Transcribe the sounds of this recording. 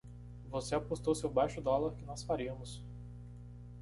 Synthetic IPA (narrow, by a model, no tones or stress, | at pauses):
voseapost̪owsewbajʃʊd̪ɔlaɾkɪnɔsfaɾiɐmʊs